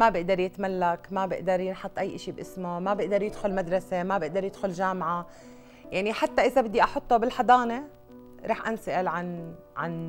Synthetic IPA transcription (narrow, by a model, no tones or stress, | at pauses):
mabɪʔd̪ɑɾˤjɪt̪malːakmabɪʔd̪ɑɾˤjɪnħɑt̪ˤːʔajːʔɪʃibʔɪsmomabɪʔd̪ɑɾˤjɪd̪xʊlmad̪ɾˤɑsemabɪʔd̪ɑɾˤjɪd̪xʊlʒaːmʕa | jaʕniħat̪ːaʔɪzabɪd̪ːiʔɑħʊt̪ˤːobɪlħɑd̪ˤɑːne | ɾˤɑːħʔansaʔɪlʕan | ʕan